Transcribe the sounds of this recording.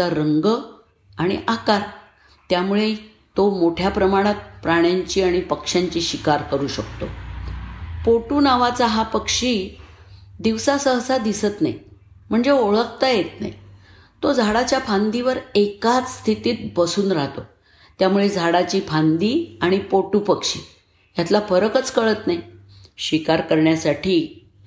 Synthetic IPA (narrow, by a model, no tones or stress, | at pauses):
aɾəŋɡə | aɽ̃ḭʔakaɾ | t̪jamuɭe | t̪omoʈʰjapɾəmaɽ̃at̪̚pɾaɽ̃jaɲt͡ɕiːaɽ̃ipəkʂjaɲt͡ɕiːɕikaɾkəɾuːɕəkt̪o̰ | poʈuːnaʋat͡saɦapəkʂiː | d̪iʋsasəɦsad̪isət̪na̰j | m̤əɳd͡zeoɭəkt̪ajet̪na̰j | t̪od͡zʱaɽat͡ɕjapʰãnd̪iʋəɾekat͡sst̪ʰit̪iːt̪̚bəsuːnɾaɦt̪o | t̪jamuɭed͡zʱaɽat͡ɕiːpʰand̪iaɽ̃ipoʈupəkʂḭː | jat̪lafəɾəkət͡skəɭət̪naj | ɕikaɾkəɾɳjasaʈiː